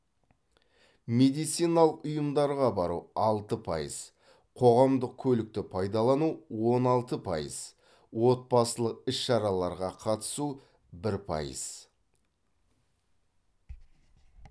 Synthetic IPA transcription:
me̞d̪ijt̪sijnɑlˠəqʊjəmd̪ɑɾʁɑbɑɾṵɑlˠt̪əpʰɑ̰jə̰z̥ | qʰo̞ʁɑmd̪əq̚kʲʰɵlɪk̚t̪ɪpʰɑjd̪ɑlˠɑnuwo̞nɑlˠt̪əpʰɑ̰jə̰z̥ | wo̞t̪̚bɑsəlˠəq̚ɪsʃɑɾɑlˠɑɾʁɑqʰɑt̪ə̥su | bɪɾpʰɑ̰jə̰z̥

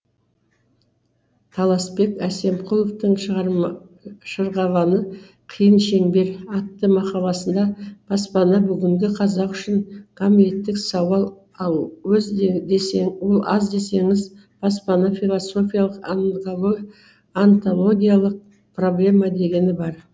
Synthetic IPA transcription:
t̪ʰɑlˠɑspe̞kæse̞mqʰulˠoft̪əɴʃɾ | ʃəɾʁɑlˠɑnə | qʰəjənʃe̞ŋbe̞ɾɑt̪ːəmɑqɑlˠɑsənd̪ɑb̥ɑspɑnɑbʏɡʲɪŋɡʲɪqʰɑzɑqʏʃɪŋkʰomij̪e̞t̪ːɪksɑwɑlˠ | ɑlˠwɵzd̪esewo̞lˠɑ̰zd̪e̞se̞ŋɪz | b̥ɑspɑnɑfilˠosːo̞fʲijalˠəqnˠo | ant̪o̞lˠo̞ɡʲijalˠəq̚ | pro̞blʲe̞mɑd̪e̞ɡʲe̞nɪbɑɾ

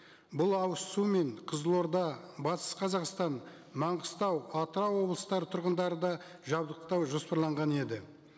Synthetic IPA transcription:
bʊlˠɑwəssume̞ɴqʰəzəlˠoɾd̪ɑbɑt̪ə̥sqʰɑzɑqst̪ɑn | mɑɴʁəst̪ɑwɑt̪əɾɑwo̞blˠəst̪ɑɾət̪ʰʊɾʁənd̪ɑɾəd̪ɑ | ʒɑbd̪əq̚t̪ɑwʒo̞spɑɾlˠɑɴʁɑne̞d̪ɪ

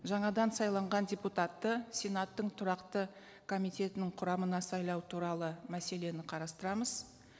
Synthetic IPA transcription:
ʒɑɴɑd̪ɑnsɑjlˠɑɴʁɑndʲeput̪at̪ːəsʲe̞nɑt̪ːəɴt̪ʰʊɾɑqt̪ə | kʰo̞mijt̪ʲe̞t̪ɪnɪɴqʰʊɾɑmənɑsɑjlˠɑwt̪ʰuɾɑlˠəmæse̞le̞nɪqʰɑɾɑst̪əɾɑməz

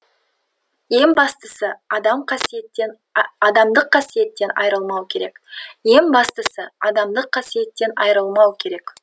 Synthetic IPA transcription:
je̞ŋbɑst̪əsəɑd̪ɑmqʰɑsijet̪ːe̞n | ɑd̪ɑmd̪əqʰːɑsije̞t̪ːe̞nɑ̰jɾəlˠmɑwkʲʰe̞ɾe̞kje̞ŋbɑst̪əsəɑd̪ɑmd̪əqʰːɑsije̞t̪ːe̞nɑ̰jɾəlˠmɑwkʲʰe̞ɾe̞k

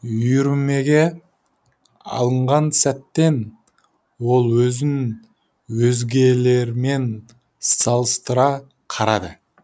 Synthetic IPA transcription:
ʏjʏɾme̞ɡʲe̞ | ɑ̰lˠəɴʁɑnsæt̪ːe̞n | wo̞lˠwɵzɪn | wɵzɡʲe̞le̞ɾme̞n | sɑlˠəst̪əɾɑ | qʰɑɾɑd̪ə

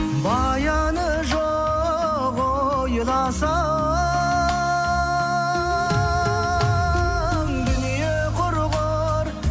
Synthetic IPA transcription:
bɑ | jɑ | nə | ʒo | ʁo | jəlɑsɑ | mɡ̪ɪnije | qʰoɾʁo | ɾ

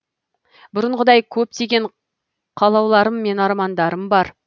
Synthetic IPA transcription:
bʊɾəɴʁəd̪ɑjkʲʰɵp̚t̪e̞ɡʲe̞ɴ | qʰɑlˠɑwlˠɑɾəmːe̞nɑɾmɑnd̪ɑɾəmbɑɾ

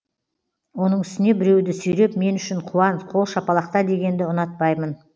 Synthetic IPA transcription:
wo̞nəɴʏst̪ɪne̞bɪɾe̞wd̪ɪsɵjɾe̞pme̞nʏʃɪɴqʰuwɑnsqʰo̞lˠʃɑpɑlˠɑqt̪ɑd̪e̞ɡʲe̞nd̪ɪʊnɑt̪̚pɑjmən

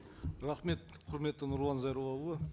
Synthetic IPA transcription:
ɾɑχme̞t̪̚ | qʰʊɾme̞t̪ːɪnʊɾlˠɑnzɑjɾuwˠɑə

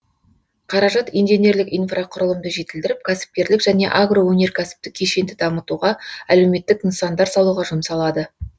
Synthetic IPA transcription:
qʰɑɾɑʒɑt̪ijnʒenʲe̞ɾlɪkijnfrʔaqʰʊɾəlˠəmd̪əʒe̞t̪ɪld̪ɪɾɪp̚kʲʰæsɪ̥p̚kʲe̞ɾlɪkʒ̥æne̞̰ʔaɡro̞wɵne̞ɾkʲʰæsɪ̥p̚t̪ɪkʲʰe̞ʃe̞nd̪ɪd̪ɑmət̪uʁɑæle̞wme̞t̪ːɪkinsɑnd̪ɑɾsɑlˠuʁɑʒʊmsɑlˠɑd̪ə

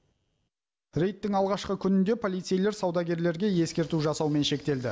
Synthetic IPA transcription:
ɾe̞jt̪ːɪŋɑlˠʁɑʃqəkʲʰʏnɪnd̪e̞pʰo̞lijt̪se̞jle̞ɾsɑwd̪ɑɡʲe̞ɾle̞ɾɡʲe̞je̞skʲe̞ɾt̪uʒɑsɑwme̞nʃe̞k̚t̪e̞ld̪ɪ

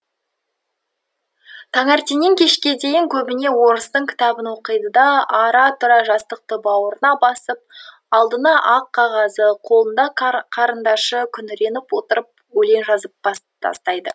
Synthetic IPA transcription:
t̪ʰɑŋɑɾt̪inɪŋkʲʰe̞ʃkʲe̞d̪e̞jɪŋkʲʰɵbɪne̞wo̞ɾəst̪əɴkʲʰɪ̥t̪ɑbənwo̞qəjd̪əd̪ɑɑɾɑt̪ʰʊɾɑʒɑst̪əq̚t̪əbɑwəɾənɑbɑsəp̚ | ɑlˠd̪ənɑʔɑqʰːɑʁɑzəqʰo̞lˠənd̪ɑqʰɑɾənd̪ɑʃəkʲʰʏnɪɾe̞nɪpwo̞t̪əɾəp̚wɵle̞nʒɑzəp̚ɑ | t̪ʰɑ̰st̪ɑjd̪ə

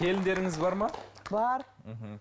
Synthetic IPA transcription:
e̞lɪnd̪e̞ɾɪŋɪzbɑɾmɑbɑɾ | m̩ɦ̩

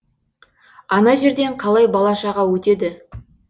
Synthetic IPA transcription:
ɑnɑʒe̞ɾd̪e̞ɴqʰɑlˠɑjbɑlˠɑʃɑʁɑwɵt̪e̞d̪ɪ

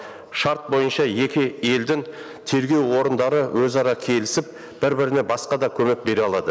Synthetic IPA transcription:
ʃɑɾt̪̚bo̞jənʃɑje̞kʲɪe̞ld̪ɪŋ | t̪ʰe̞ɾɡʲe̞wwo̞ɾənd̪ɑɾəwʔɵzɑɾɑkʲʰe̞lɪsɪp̚ | b̥ɪɾbɪɾɪnebɑsqɑd̪ɑkʲʰɵme̞k̚be̞ɾeɑlˠɑd̪ə

